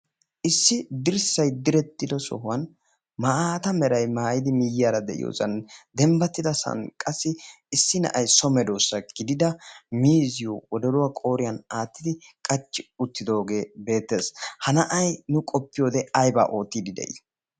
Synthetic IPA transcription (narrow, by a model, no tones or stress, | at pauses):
ʔɪsːɪd̪ɪɾsɐjd̪ɪɾɛt̪ːɪd̪ɔsɔ̰ɦʊwɐn | mɐʔaːt̪ɐmɛɾɐjmaːjɪd̪ɪmɪjɪjaːɾɐd̪ɛʔɪ̰jo̰ːzɐnd̪ɛmbɐt̪ːɪd̪ɐsɐ̰nkʼɐsːɪː | sːɪnɐ̰ʔɐjsɔmɛd̪oːsːɐɡ̥ɪd̪ɪd̪ɐmiːzɪjowɔd̪ɔɾʊwaːkʼo̞ːɾɪjɐnaːt̪ːɪd̪ɪkʼɐt͡ʃːɪʊt̪ːɪd̪o̞ːɡe̞ːbe̞ːt̪ːe̞ːshɐnɐʔɐjnʊkʼɔpːɪjo̞ːd̪ɛɐjba̰ːʔo̞ːt̪ːiːd̪ɪd̪ɛ̰jɪ̰